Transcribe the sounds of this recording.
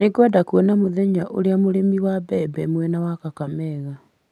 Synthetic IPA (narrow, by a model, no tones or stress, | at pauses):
neɡwadakwɔnamoðɛɲaʔoɾeamoɾemiwabɛbɛmwɛnawakakamɛɣa